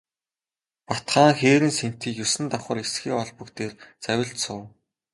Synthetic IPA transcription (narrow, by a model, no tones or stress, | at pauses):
pat̪χaːŋxeːɾɘ̆nsen̥t̪iːkjɵsɘ̆nt̪aχə̆ːrɾesxiːɔɮpə̆kt̪eːrt͡sæwʲɪ̆ɮt̪sʊː